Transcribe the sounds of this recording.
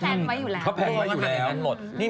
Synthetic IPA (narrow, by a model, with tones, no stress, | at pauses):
na˦u˨˧pʰɔ˦˥pʰɛː˧a˦˥˩uː˨˩lɛː˨˦˥wlo˨˩t̪̚niː˥˩